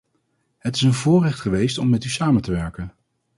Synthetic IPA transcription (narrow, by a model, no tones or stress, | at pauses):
ɦətɪ̥sənvʊːrɛχtχəʋejstɔmːɛtysaːməntəʋɛɹkən